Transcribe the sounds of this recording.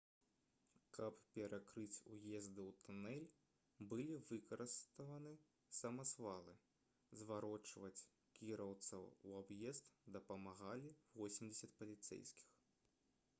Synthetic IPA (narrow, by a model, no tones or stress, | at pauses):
kʰɐppʲɛɾʔakɾɨt͡sʲujɛzd̪ɨwt̪unɛlʲ | bɨlʲivɨkɐɾɨst̪ɐvɐnɨ | sɐmɐsvalˠɨ | zvaɾɔt͡ʂvɐt͡sʲ | kʲiɾɐwt̪sɐuabjɛzt̪d̪ɐpɐmaɣalʲivɔsʲimʲd͡zʲɪsʲɐt̪̚pɐlʲit̪sɛ̰jskʲi̥x